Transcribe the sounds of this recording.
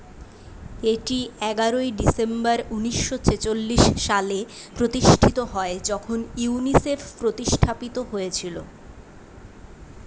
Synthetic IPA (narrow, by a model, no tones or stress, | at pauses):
eʈiɛɡaɾoiɖisembaɾuniʃːot͡ɕet͡ɕolːiʃʃalepɾot̪iʃʈʰit̪oɦɔed͡ʑɔkʰonunisefʰpɾot̪iʃʈʰapit̪oɦojet͡ɕʰilo̰